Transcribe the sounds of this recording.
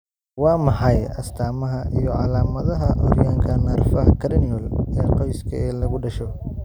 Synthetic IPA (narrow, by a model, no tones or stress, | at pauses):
wɑːmɑħɑjɐst̪ʰaːmɐɦɐʔijɔʕɑ̰laːmɐðɐɦɐʔɔ̰rjaːŋkʰɐnɐrfɐɦɐkʰɐɾniɔlɛːqɔjskʰɐɛːlɐɣʊɖɐʃɔ